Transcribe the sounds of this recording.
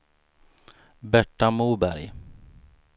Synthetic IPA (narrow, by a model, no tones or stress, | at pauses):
bɛʈːamuːbæɾj